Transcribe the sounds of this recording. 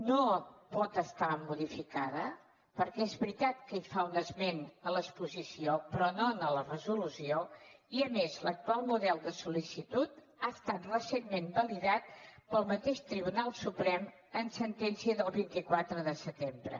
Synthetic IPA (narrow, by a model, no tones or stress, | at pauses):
nopɔt̪əst̪amuðifikaðə | pəɾkɛezβɾit̪at̪̚kəifaunəzmenələspuzisiopɾɔnonələrəzulusioiəmezlək̚t̪ualˠmuðɛlˠd̪əsulisit̪ut̪̚ | aəst̪at̪rəsenmːembəliðat̪̚pəlˠmət̪eʃt̪ɾiβ̞unalˠsupɾɛm | ənsənt̪ɛnsiəðəlˠβint̪ikwat̪ɾəðəsət̪embɾə̰